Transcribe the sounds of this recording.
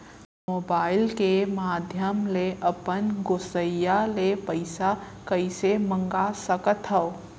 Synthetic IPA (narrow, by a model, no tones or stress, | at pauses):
moːbaːɪlkemaːd̪ʱjəmleʔəpənɡosəjalepəɪsa | kəɪsemə̃ŋɡasəkət̪ɦəo